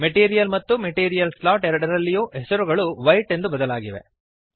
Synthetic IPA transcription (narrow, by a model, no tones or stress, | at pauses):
meʈiːɾijɐlmɐt̪ːumeʈiːɾijɐlslaːʈeɾɐɽɐɾɐlːijuːʔɛsɐɾuɡɐɭuʋɐjʈe̞nd̪ubɐd̪ɐlaːɡiʋe̞̰